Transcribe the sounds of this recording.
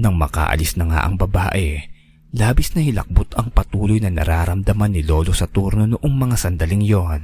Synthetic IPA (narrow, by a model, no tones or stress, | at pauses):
nɐŋmɐka̰ːʔɐ̰lisnɐŋa̰ʔɐŋbɐbaːʔɛ | laːbɪsnɐhɪlɐ̰k̚bot̪ɐŋpɐt̪uːlo̞jnɐnɐ̰ɾaːɾɐmd̪ɐmanːɪlo̞ːlo̞sɐt̪uɾno̞noʔoŋmɐŋasɐnd̪ɐliŋjon